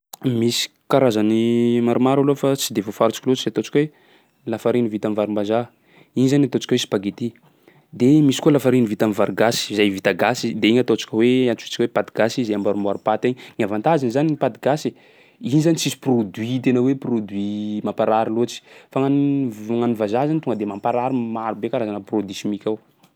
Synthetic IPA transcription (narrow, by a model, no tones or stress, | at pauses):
misi̥kaɾazanimaɾumaɾalofat͡sid̪evofaɾut͡ʃi̥kʲilot͡ʃiziat̪ot͡ʃi̥kʲwe | lafaɾinivit̪amivaɾumbaza | inizaniat̪ot͡ʃi̥kwesi̥paɡet̪i | d̪emisi̥kulafaɾinivit̪amivaɾuɡasi̥zajvit̪aɡasid̪eiɲat̪ot͡ʃi̥kʲəweant͡ʃu̥i̥t͡ʃikʲwepad̪iɡasizajambaɾumuaɾupat̪aɲɲavant̪azanzaniipad̪iɡasi | inzanisizi̥prod̪wit̪enəweprod̪wimampaɾaɾilot͡ʃi̥faŋanŋanivazazant̪uŋɡəd̪emampaɾaɾimaɾubekaɾazanəprod̪wisimikʲaw